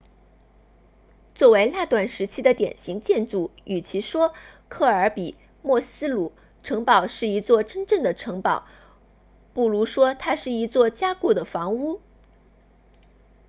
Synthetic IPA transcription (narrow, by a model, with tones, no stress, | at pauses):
t͡swɔ˥˩we˧˥ɪla˥˧t̪wa˥˩nʂɻ̩˧˥t͡ɕʰi˥d̪ə˨t̪jɛ̰˨˩nɕi˧˥ŋt͡ɕjɛ˥˧nt͡su˥˩y˨˩t͡ɕʰi˧˥ʂwɔ˥kʰɤ˥˩ə˞˧˥pi˨˩˦ | mwɔ˥˩sɹ̩˥lu˨˩˦ | ʈ͡ʂʰɤ˧˥ŋpɑ˨˩ʊʂɻ̩˥˩i˧˥t͡swɔ˥˩ʈ͡ʂə˥nʈ͡ʂɤ˥˩ŋd̪ə˩ʈ͡ʂʰɤ˧˥ŋpɑ˨˩˦ʊ | pu˥˩lu˧˥ʂwɔ˥t̪ʰa˥ʂɻ̩˥˩i˧˥t͡swɔ˥˩t͡ɕja˥ku˥˩d̪ə˩fɑ˧˥ŋu˥